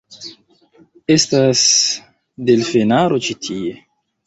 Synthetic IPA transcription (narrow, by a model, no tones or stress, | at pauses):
estas | delfenaɾo̞t͡ʃitʰie̞